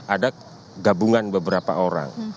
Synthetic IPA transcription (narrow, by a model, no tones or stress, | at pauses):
ada | ɡabuŋanbəbəɾapa̰oɾa̰ŋ